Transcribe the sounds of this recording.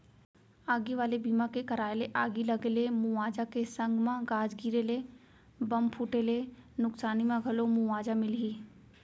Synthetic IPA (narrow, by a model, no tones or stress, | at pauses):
aːɡiʋaːlebiːmãkekəɾaːeleʔaːɡiləɡelemʊaːd͡ʒakesə̃ŋɡmãɡaːd͡ʒɡiːɾele | bɐmpʰuːʈelenʊksaːnimãɡʱɐlomʊaːd͡ʒamɪlɦiː